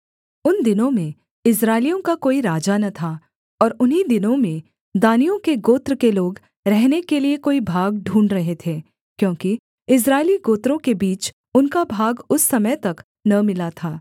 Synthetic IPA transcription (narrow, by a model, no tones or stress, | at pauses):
ʊnd̪ɪnõmẽ | ɪs̬ɾaːɪlijõkakoːiɾaːd͡ʒanɐt̪ʰa | ɔːɾʊnɦid̪ɪnõmẽ | d̪aːnijõkeɡoːt̪ɾəkeloːɡ | ɾɛɦnekeliekoːibʱaːɡɖʱũːɳɖɾɐɦet̪ʰeː | kjõːki | ɪs̬ɾaːɪliɡoːt̪ɾõkebiːt͡ʃ | ʊnkabʱaːɡʊsːɐməjt̪ɐk | nɐmɪlat̪ʰaː